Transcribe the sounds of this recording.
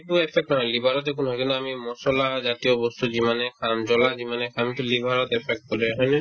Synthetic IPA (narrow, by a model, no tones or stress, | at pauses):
tuepʰɛk̚ʈnɔɦɔjlibʱaɾɔt̪ekunɦɔjkint̪uamimɔsɔlazat̪ijobɔst̪uzimanekʰamd͡ʑɔlazimanɛkʰamit̪ulibʱaɾɔt̪epʰek̚ʈ̚kɔlɛɦɔjni